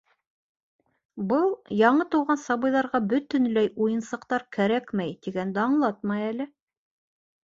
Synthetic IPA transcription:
bɤlˠjɑɴɤt̪ɤ̆wʁɑnsɑβɤ̆jðɑɾʁɑbɵ̆t̪ɵ̆nlæjujɤ̆nsɤ̆qt̪ɑɾkæɾækmæjt̪iɡænd̪æɑɴlˠɑt̪mɑjælɘ

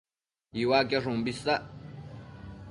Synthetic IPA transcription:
iwakaʐumbisaʔ

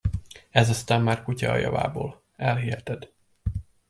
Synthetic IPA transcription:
ɛzɒst̪aːmːaːrkucɒɒjɒ̰va̰ːboːl | ɛlɦiːhɛt̪ɛd̪

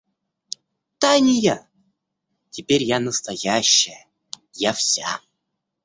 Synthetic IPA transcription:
t̪anʲɪja | tʲepʲeɾʲjanəst̪ajaɕːɪ | jafsʲa̰

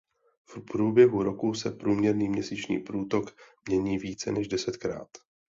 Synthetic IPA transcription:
fpɾuːbjɛɦuɾokusɛpɾuːmɲɛɾniːmɲɛsiːt͡ʃɲḭːpɾuːt̪o̞kmɲɛɲiːviːt͡sɛnɛʒdɛsɛt̪kɾa̰ːt̪

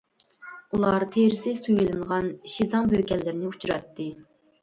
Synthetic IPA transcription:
ulˠɑɾt̪ʰeɾɪsɪsujilˠɨŋʁɑnʃizɑŋbøkʲɛlːɪɾɪnɪut͡ʃʰuɾɑ̰t̪ːɨ

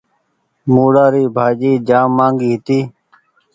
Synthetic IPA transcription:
muːɽaːɾiːbʱaːd͡ʒiːd͡ʒaːmːãːŋɡiːɦɪt̪iː

